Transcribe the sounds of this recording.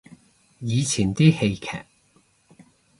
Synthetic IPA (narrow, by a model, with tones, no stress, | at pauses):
jiː˨˧t͡sʰiː˨˩nt̪iː˥he˧jkʰɛ̰ː˨˩k̚